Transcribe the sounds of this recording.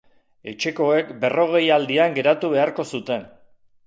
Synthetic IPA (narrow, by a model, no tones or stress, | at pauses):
e̞t͡ʃe̞ko̞e̞kbe̞ro̞ɣ̞e̞jald̪iaŋɡe̞ɾat̪uβ̞e̞aɾko̞sut̪e̞n